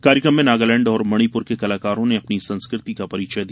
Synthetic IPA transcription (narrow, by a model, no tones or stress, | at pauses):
kaːɾjɪkɾəmːẽnaːɡalɛ̃ːɳɖɔːɾmɐɽ̃ipʊɾkekɐlaːkaːɾõneɐpnisɐ̃nskɾɪt̪ikapɐɾiːt͡ʃəd̪i